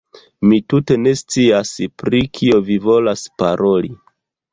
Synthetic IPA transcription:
mitute̞ne̞st͡siaspɾikʰio̞vivo̞laspaɾʔo̞li

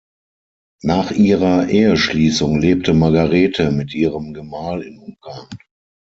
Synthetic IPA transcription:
naːχʔiːʁɐʔeːəʃliːsʊŋleːp̚təmaɐɡaʁeːtʰəmɪtʔiːʁəmɡəmaːlɪnʔʊŋɡaɐn

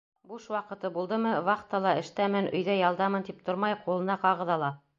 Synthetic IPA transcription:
buʃwɑqɤ̆t̪ɤbulˠd̪ɤmɤβɑχt̪ɑlˠɑɘ̆ʃt̪æmɘnʔɵ̆jðæjɑlˠd̪ɑmɤnt̪ip̚t̪ʰoɾmɑjqulˠɤ̆nɑqɑʁɤ̆ðɑlˠɑ

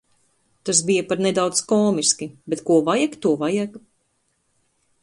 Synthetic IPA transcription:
t̪as̬bijapaɾned̪awt̪skɔːmiskʲibet̪kuɔvajakt̪uɔvajak

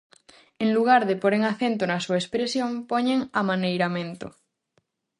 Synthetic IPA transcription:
eŋluɣ̞aɾðepoɾeŋaθent̪onasuaespɾesjõŋpoɲeŋamãnejɾamẽnt̪o̰

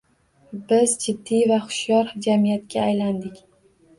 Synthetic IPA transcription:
bɪzd͡ʒɪd̪ːivaχʊ̥ʃjɒɾd͡ʒamijat̪kʲaːjland̪ɪkʲ

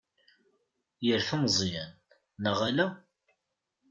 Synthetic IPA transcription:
jəɾθəmzˤjænː | əʁælæ

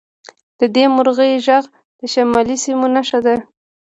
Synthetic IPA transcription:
d̪̥əd̪emʊɾɣəjʒaɣ | d̪̥əʃamɑlisimonaʃad̪a

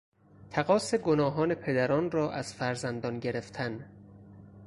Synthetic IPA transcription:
t̪ʰæɣɒːse̞ɡonɒːɦɒːne̞pʰe̞d̪æɾɒːnrɒːʔæz̥fæɾzænd̪ɒːnɟe̞ɾeft̪ʰæn

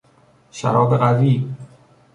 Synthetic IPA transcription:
ʃæ̰ɾɒːd̪eɢæviːb

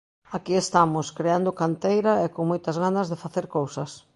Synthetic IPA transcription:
akiest̪amʊskɾeand̪ʊkant̪ejɾɐɛkoŋmojt̪ɐzɣanɐzðɪfaθeɾkowsɐs

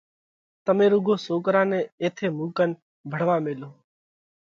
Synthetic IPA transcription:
t̪əmẽːɾuɡʱoːsoːkəɾãːnẽːeːt̪ʰeːmuːkən | bʱəɽ̤ʋãːmeːloː

